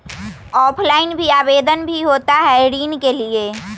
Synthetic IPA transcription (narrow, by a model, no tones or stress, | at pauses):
ɔːpʰlaːɪnbʱiaːbeːd̪ənbʱiɦoːt̪aɦɛɾiːnkelie